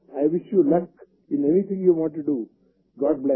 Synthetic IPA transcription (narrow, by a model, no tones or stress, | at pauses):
aɪʋɪʃjuːlʌk | ɪ̃nenit̪ʰɪ̃ŋjuʋɔ̃ɳ̚ʈuɖu | ɡɔːʈ̚blɛ